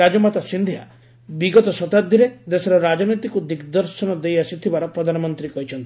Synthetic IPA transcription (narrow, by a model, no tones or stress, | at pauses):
ad͡ʒɔmat̪asind̪ʱia | biɡɔt̪ɔsɔt̪ad̪ʱiɾed̪esɔɾɔɾad͡ʒɔnit̪ikud̪ikd̪ɔɾsɔnɔd̪ejasit̪ʰibaɾɔpɾɔd̪ʱanɔmɔnt̪ɾikɔɦit͡ʃʰɔnt̪i̥